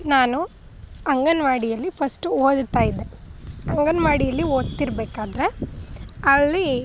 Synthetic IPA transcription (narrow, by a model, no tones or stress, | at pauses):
naːnu | ɐŋɡɐnʋaːɽijɐlːipʰɐsʈuoːd̪t̪aːjid̪eɐŋɡɐnɐʋaːɽijɐlːioːd̪t̪iɾɐbeːkaːd̪ɾe̞ | ɐlːi